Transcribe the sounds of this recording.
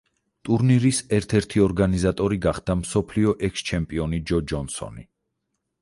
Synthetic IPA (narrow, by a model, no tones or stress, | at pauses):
t̪ʼuɾniɾisɛɾt̪ʰɛɾt̪ʰiɔɾɡanizat̪ʼɔɾiɡaχd̪̥amsɔpʰliɔʔɛkst͡ʃʰɛmpʼiɔnid͡ʒɔd͡ʒɔnsɔ̰ni